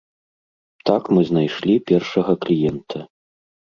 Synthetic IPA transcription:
t̪akmɨznajʂlʲipʲɛrʂɐɣɐklʲijɛnt̪ʰɐ

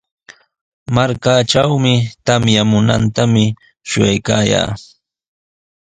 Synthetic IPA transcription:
maɾkaːʈ͡ʂawmɪt̪amjamʊna̰nt̪amɪ | ʃʊjajkaːja̰ː

